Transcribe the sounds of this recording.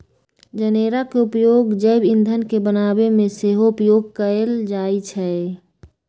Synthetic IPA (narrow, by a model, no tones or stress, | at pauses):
d͡ʒəneːɾakeʊpjoːɡd͡ʒəɪbɪ̃nd̪ʱənkebənaːbemẽseːɦoʊpjoːɡ̚kəɾeld͡ʒaːit͡ʃʰɛ